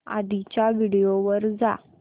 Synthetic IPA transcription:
a̰d̪it͡ɕjaʋiɽijoʋəɾd͡za̰

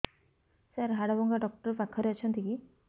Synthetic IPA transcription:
saɾɦaɽabɔŋɡaɖɔk̚ʈɔɾpakʰːɔɾeɔt͡ʃʰɔnt̪iki

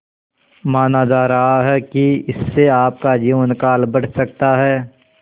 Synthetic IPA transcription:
maːnaːd̪aːɾaɦaɦɛkiɪsːeaːp̚kad͡ʒiʋənkaːlbɐɽ̤sɐk̚t̪aɦɛː

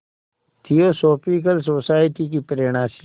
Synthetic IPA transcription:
t̪ʰioːsoːpik̬əlsoːsaːjʈikipəɾeːɽ̃ãːʃ

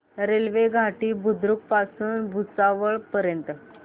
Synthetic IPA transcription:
ɾelʋeɡʱaʈiːbʱud̪ɾuk̚pasuːnbʱut͡saʋəɭpəɾjənt̪ə

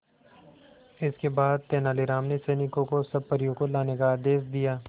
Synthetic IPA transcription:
ɪskebaːd̪̚t̪eːnaːliɾaːmneseːnɪkõkosɐb̚pəɾijõkolaːnekaːd̪eːsd̪ijaː

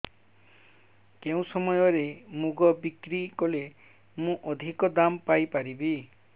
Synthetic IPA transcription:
keũsɔmɔjɔɾemuɡɔbikɾikɔle | mũʔɔd̪ʱikɔd̪ampajpaɾibi

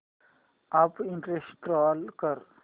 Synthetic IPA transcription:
apiɳʈɾesʈɾɔːlkəɾ

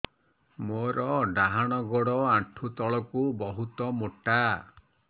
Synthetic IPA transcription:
moɾɔɖaɦaɽ̃ɔɡoɽɔãʈʰut̪ɔɭɔkubɔɦut̪ɔmoʈa

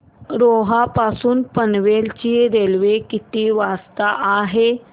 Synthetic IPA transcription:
ɾoɦapasuːnpənʋelt͡ɕid̪elʋekit̪iːʋast̪aʔaɦe

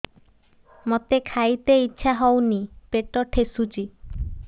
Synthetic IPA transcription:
mɔt̪ekʰajt̪eitːɕʰaɦɔwnipeʈɔʈʰesut͡ʃi

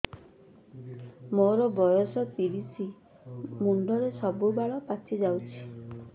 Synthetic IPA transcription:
moɾɔbɔjɔsɔt̪iɾisi | muɳɖɔɾesɔbubaɭɔpatʰid͡ʒawt͡ʃʰi̥

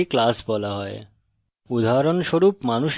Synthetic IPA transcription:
iklasbɔlaɦɔe | ud̪ʱaaɾonʃoɾupmanuʃ

